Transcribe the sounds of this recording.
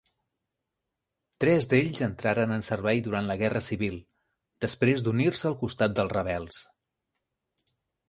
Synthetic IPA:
t̪ɾɛzd̪eʎzənt̪ɾaɾənənsərβɛjðuɾant̪ləɣɛrəsiβilˠ | d̪̥əspɾezd̪unirsəːlˠkust̪at̪̚d̪əlˠrəβ̞ɛlˠs

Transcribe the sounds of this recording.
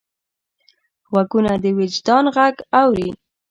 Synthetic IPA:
wakunad̪əwɪd͡ʒd̪ɑnɣaɡawɾi

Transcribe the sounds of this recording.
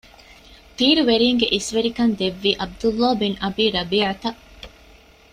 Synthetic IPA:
t̪iːɾuʋeɾiːŋɡeʔisʋeɾikɐnd̪eʋːiːʔɐb̚d̪ulːaːbinʔɐbiːɾɐbiːʕat̪ɐʔ

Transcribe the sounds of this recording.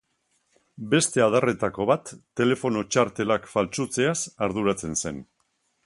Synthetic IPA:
be̞st̪e̞að̞are̞t̪ako̞βat̪ːe̞le̞fo̞no̞t͡ʃaɾt̪e̞lakfalt͡ʃut͡se̞asaɾðuɾat͡se̞nse̞n

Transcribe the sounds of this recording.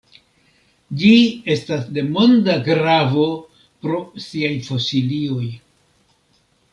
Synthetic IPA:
d͡ʒie̞stasde̞mo̞ndaɡɾavo̞ | pɾo̞siajfosilio̞j

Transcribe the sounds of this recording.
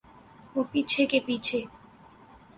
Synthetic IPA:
opit͡ɕʰekepit͡ɕʰe

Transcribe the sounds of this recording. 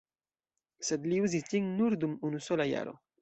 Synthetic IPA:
sed̪liuzisd͡ʒiŋnuɾd̪umunusolaja̰ɾo̞̰

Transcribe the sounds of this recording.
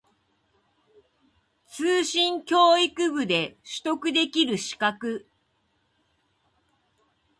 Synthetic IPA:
t͡sɨːɕĩŋkʲo̞ːikɯ̟bɯ̟d̪e̞ɕɨ̥t̪o̞kɯ̟d̪e̞kʲiɾɯ̟ɕi̥kakɯ̟

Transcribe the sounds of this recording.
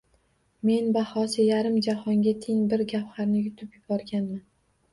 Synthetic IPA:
me̞nbahɒsɪjaɾɪmd͡ʒahɒŋɡʲat̪ʰɪŋbɪɾɡʲaphaɾnɪjʊt̪ʰɪpjʊbɒɾɡʲanman

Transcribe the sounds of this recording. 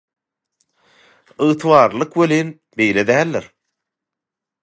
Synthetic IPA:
ɯt̪ʰwɑːɾlˠɯqweliːn | bejled̪æːlːɪɾ

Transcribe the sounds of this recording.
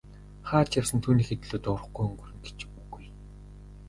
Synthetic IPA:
χaːt͡ɕjawsə̆nt̪ʰuːniːxet̪ɘ̆ɮuːt̪ʊr̆χɡujɵŋɡɵ̆rɘ̆ŋɡe̥t͡ɕpuɣuj

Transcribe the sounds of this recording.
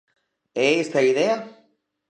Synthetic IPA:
eest̪aiðea

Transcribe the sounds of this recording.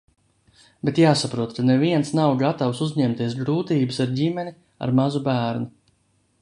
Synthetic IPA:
bet̪jaːsapɾuɔt̪kaneviɛnsnawɡat̪awsuzɲɛmt̪iɛsɡɾuːt̪iːbɨsaɾɟimɛni | a̰ɾmazubæːɾnu

